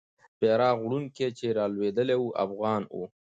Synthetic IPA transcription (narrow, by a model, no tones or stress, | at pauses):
beɾɑɣɽuŋket͡ʃeɾɑlwed̪əlewuʔa̰fɣɑnṵ